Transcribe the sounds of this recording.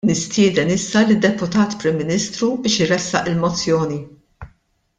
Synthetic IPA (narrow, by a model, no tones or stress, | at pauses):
nɪst̪ɪːd̪ɛnɪsːɐlɪd̪ːɛpʊt̪ɐːt̪pɾɪmːɪniːst̪ɾubɪːʃɪɾɛsːɐ̰ʔɪlmɔt͡sːjɔːni